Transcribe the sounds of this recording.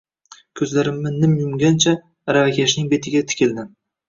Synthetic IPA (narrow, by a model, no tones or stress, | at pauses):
kʲʰɵzlaɾɪmːɪnɪmjʊmɡʲant͡ʃʰa | ɾavakʲʰaʃnɪŋbe̞t̪ʰɪɡʲat̪ʰɪ̥kʲɪld̪ɪm